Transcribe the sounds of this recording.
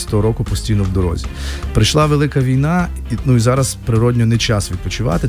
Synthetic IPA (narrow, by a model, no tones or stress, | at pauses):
t̪ɔɦɔɾɔkʊpɔsʲtʲijnɔwd̪ɔɾɔ̰zʲipɾɪjʃlˠɑʋelˠɪkɐʋʲijnɑ | inuizɑɾɐzspɾɪɾɔdʲnʲɔnet͡ʃasʋʲid̪̚pɔt͡ʃʊʋɑ̰t̪ɪ